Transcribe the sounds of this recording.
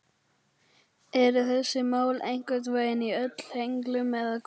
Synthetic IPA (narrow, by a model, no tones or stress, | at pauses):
ɛɾʏθɛsːɪmaːwlejŋ̥kœt̪̬vaːjðɪniœt̪l̥hejŋklʏmɛðaðk